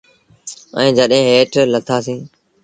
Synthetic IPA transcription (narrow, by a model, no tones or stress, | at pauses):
ɛ̰̃ːd͡ʒəɗɦẽːɦeːʈlət̪ʰaːsĩː